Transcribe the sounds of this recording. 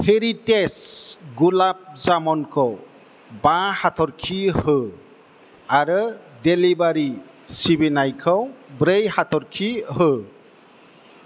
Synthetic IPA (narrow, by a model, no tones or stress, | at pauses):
heɾitesɡulap̚zamɔnkʰɔw | bãhatʰɔɾkʰihɯ | aɾɯdelibaɾi | sibinajkʰɯwbɾejhatʰɔɾkʰihɯ